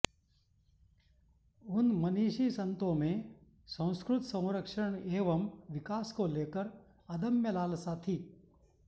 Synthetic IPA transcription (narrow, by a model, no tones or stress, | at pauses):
unmɐniːʃiːsɐnt̪omẽ | sɐ̃w̃skɾut̪sɐ̃w̃ɾəkʂəɳeːʋɐmʋikaːskoleːkəɾ | ɐd̪ɐmjɐlaːlsaːt̪ʰi